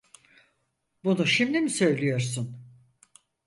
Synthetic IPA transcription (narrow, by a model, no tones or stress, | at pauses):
bunuʃimd̪imisø̞jlʲijo̞ɾs̬un